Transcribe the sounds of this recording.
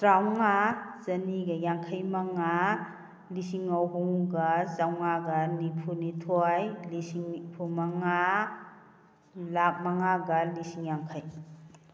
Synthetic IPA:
tɾawŋazɐniɡɐjaŋkʰɐjmɐŋa | lisiŋːawɦuŋɡɐzawŋaɡɐnipʰunitʰɔjlisiŋpʰumɐŋa | lak̚mɐŋaɡɐlisiŋjaŋkʰɐj

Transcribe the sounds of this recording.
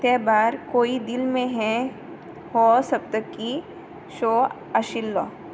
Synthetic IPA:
t̪ɛbaːɾkoːid̪ɪlmẽɦɛ̃ | hosɐb̚t̪əkːi | ʃoː | ɐʃɪlːɔː

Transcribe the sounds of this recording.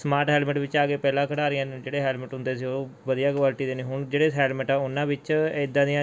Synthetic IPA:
smaːɾʈɦɛːlməʈʋɪt͡ʃaːɡeːpɛːlãːkʰəɽaːɾɪjãːñd͡ʒeːɽeːɦɛːlməʈɦʊ̃nd̪eːsiːoːʋəd̪ijaːkwaːlʈiːd̪eːneːɦʊɳd͡ʒeːɽeːɛːlməʈaːʊnãːbɪt͡ʃed̪ãːd̪ɪjã

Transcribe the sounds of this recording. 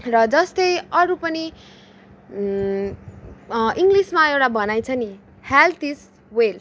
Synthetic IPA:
rʌd͡zʌst̪ʌjʌɾupʌni | iŋɡlismaewʈabʌnajt͡sʰʌni | halt̪is | wel

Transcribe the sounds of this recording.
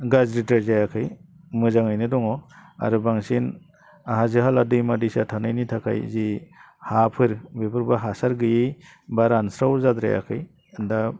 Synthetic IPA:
ɡazɾitaɾzajakʰɯj | mɯzaŋɯjnɯdɔŋɔa̰ɾɯbaŋsin | aɦazɯɦaladɯjmadisatʰanɯjnitʰakʰa̰jzi | hapʰɯɾbepʰɯɾbaɦasaɾɡɯji | baɾansɾawzad̪ɾa̰ja̰kʰɯj | nda

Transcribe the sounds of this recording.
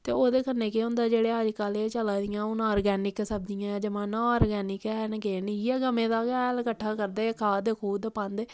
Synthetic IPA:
t̪eːoːd̪eːkənːeːkeːʊ̃nd̪aːd͡ʒeːɽeːəd͡ʒkaːleːt͡ʃəlaːd̪ɪjãːoːnaːɾɡɛːnɪksəb̚d̪ɪjãːd͡ʒəmãːnaːɾɡɛːnɪkɛːnɡeːniːɛːɡəmẽːd̪aːkɛːlkəʈʰːaːkəɾd̪eːkʰaːd̪eːkʰuːd̪pə̃nd̪e

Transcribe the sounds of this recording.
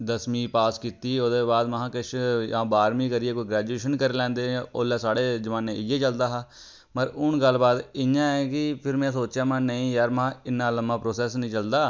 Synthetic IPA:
d̪əsmĩːpaːskiːt̪iːoːd̪eːbaːd̪məɦãːkɪʃjãːbaːɾmĩːkəɾɪeːkoːiːɡɾɛːd͡ʒueːʃənkəɾeːlɛ̃ːnd̪eːoːlɛːsaːɽeːd͡ʒəʋãːnẽːɪjeːt͡ʃəld̪aːɦaː | məɾʊɳɡəlbaːd̪ɪɲãːɛːkɪpʰɪɾmɛ̃ːsoːt͡ʃjaːmãːnəĩːjaːɾm̃ːɪnːaːləmːãːpɾoːsɛːs̬nəĩːt͡ʃəld̪aː

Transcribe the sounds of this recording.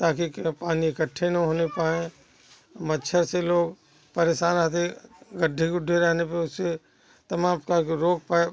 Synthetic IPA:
t̪aːkipaːniɪkəʈʰːenɐɦoːnepaːẽ | məʃʰəɾseloːɡ | pəɾeːʃaːnaːt̪̬eɡəɖʱːeɡʊɖʱeɾɛɦnepeʊsːe | t̪ɐmaːmkaɾoːk̚pae

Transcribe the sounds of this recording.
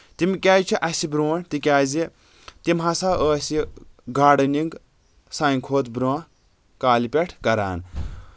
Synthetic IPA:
t̪imkʲaːjt͡ʃʰiʔɐsibɾoːnt̪ikʲaːzi | t̪imɦɐsaːəːsiɡaːɖɐniŋɡ | saiŋkʰoːt̪bɾõː | kaːlipʲeʈʰkɐɾa̰ːn

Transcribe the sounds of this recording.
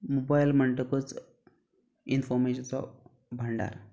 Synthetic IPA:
mobajlməɳʈəkət͡s | infɔɾmeɕənt͡sɔ̰ | bʱəɳɖa̰ɾ

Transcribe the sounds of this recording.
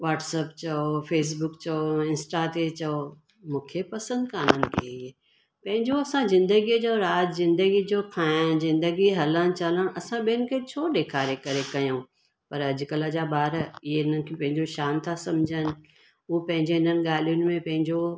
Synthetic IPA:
ʋaːʈsəpt͡ɕɐofeːs̬bʊkt͡ɕɐoɪ̃nsʈat̪ʰet͡ɕɐo | mũːkʰepɐsə̃nd̪kaːnənɪ̆kʰeɪe | pɐ̃ɦɪ̃ɲd͡ʑoɐsãzɪ̃nd̪əɡit͡ɕɐoɾaːd͡ʒzɪ̃nd̪əɡid͡ʑoːkʰãːnzɪ̃nd̪əɡiɦɐləɽ̃t͡ɕɐləɽ̃ɐsãɓiənɪ̆kʰet͡ɕʰoːɗeːkʰaːɾekɐɾekɐjũː | pɐɾɐd͡ʑɪkɐlad͡ʑabaːɾɪɦeɪn̤ənɪ̆kʰepɐ̃ɦɪ̃ɲd͡ʑoʃaːmt̪ʰasɐ̃md͡ʑʱənɪ̆ | ʊopɐ̃ɦɪ̃ɲd͡ʑeɪn̤ənɪ̆ɠaːl̤ijʊnɪ̆mẽpɐ̃ɦɪ̃ɲd͡ʑo

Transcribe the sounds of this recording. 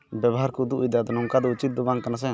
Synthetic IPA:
bɛbɔɦaɾkɔd̪uʔujd̪ad̪ɔnɔŋkad̪ɔut͡ʃit̪̚d̪ɔbãŋk̪anas̬ɛ

